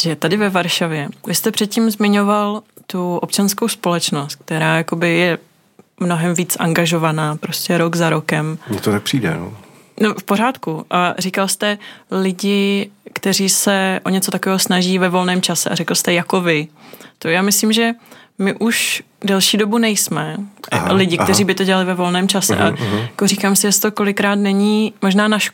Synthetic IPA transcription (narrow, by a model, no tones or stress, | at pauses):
ʒɛt̪adɪvɛvaɾʃavjɛvɪst̪ɛpr̥ɛt̪̚cimzmɪɲo̞valt̪uʔopt͡ʃanskowspo̞lɛt͡ʃno̞st̪̚k̚t̪ɛɾaːjako̞bɪjɛ | mnoɦɛmviːt͡sʔa̰ŋɡaʒo̞vanaːpɾoscɛɾoɡzaɾo̞kɛmmɲɛt̪oak̚pr̥iːdɛ̰no̰ | nofpo̞ɾ̝aːt̪kuʔarikalst̪ɛlɪɟɪkt̪ɛɾiːsɛʔo̞ɲɛt͡so̞t̪akovɛːɦo̞snaʒiːvɛvo̞lnɛːmt͡ʃasɛʔa̰ɾɛkl̩st̪ɛjako̞vɪt̪ojaːmɪsliːmʒɛmɪʔuʃ | dɛlʃiːdo̞bunɛjsmɛlɪɟɪktt̪ɛɾiːbɪt̪o̞ɟɛlalɪvɛvo̞lnɛːmt͡ʃasɛ̰ʔa̰jakoɾiːkaːmsɪʒɛst̪oko̞lɪkɾaːt̪nɛɲiːmo̞ʒnaːnaʃ